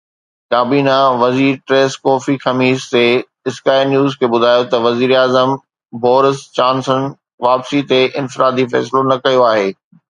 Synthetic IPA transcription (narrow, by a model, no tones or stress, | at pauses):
kaːbiːnaʋɐziːɾʈɾeːskɔːfixɐmiːste | ɪskaːɪɾnjuːzkʰeːbʊd̪ʱaːjot̪ɐʋɐziːɾaːzəm | bɔːɾɪst͡ɕãːnsən | ʋaːpsit̪eʔɪ̃nfɪɾaːd̪ifɛ̰ːs̬lonɐkɐjoaːɦeː